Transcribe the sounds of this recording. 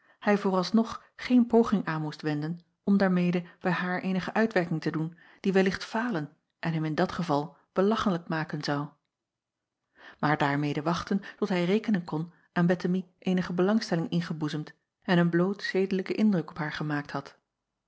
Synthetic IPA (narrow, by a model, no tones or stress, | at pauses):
hɛjvoːrɑlˠsnɔχ | χejnpowχɪŋaːnmustʋɛndən | ɔmdaːɹmejdəb̥ɛjɦaːɹʔejnəχəʔœɥtʋɛɹkɪŋtədun | d̥iʋɛlɪχtfaːlən | ʔɛnɦɛmɪndɑtχəvɑlˠ | b̥əlɑχələk̚maːkənzɑw | maːɹdaːɹmejdəʋɑχtəntɔtɦɛjrejkənənkɔn | ʔaːnbɛtəmiʔejnəχəbəlɑŋstɛlɪŋɪnχəbuzəmt | ɛnənblowtsejdələkəʔɪndrɵkɔpɦaːɹχəmaːk̚thɑt